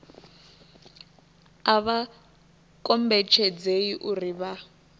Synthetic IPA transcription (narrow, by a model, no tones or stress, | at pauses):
aβa | kʼɔmbɛt͡ʃʰɛd͡zeiʔuriβa